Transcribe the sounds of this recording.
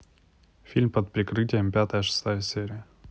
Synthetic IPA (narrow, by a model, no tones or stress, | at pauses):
fʲilʲmpət̪̚pɾʲɪkɾɨtʲɪjəmpʲat̪əjəʂɨ̥st̪ajəsʲeɾʲɪjə